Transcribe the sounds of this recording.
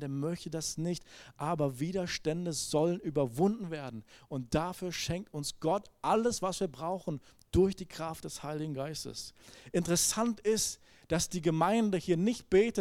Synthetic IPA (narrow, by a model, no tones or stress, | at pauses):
deːɐmœçtədasnɪçtʔaːbɐviːdɐʃtɛndəzɔlənyːbɐvʊndn̩veːɐdn̩ʊnt̚d̥afyːɐʃɛŋk̚tʊnsɡ̥ɔtʔaləsv̥asv̥iːɐbʁaʊxn̩ | d̥ʊɐçd̥iːkʁ̥aftd̥ɛshaɪlɪɡŋ̩ɡaɪstə̰sʔɪntəʁɛsantɪst | d̥asd̥iːɡəmaɪndəhiːɐnɪçt̚b̥eːtə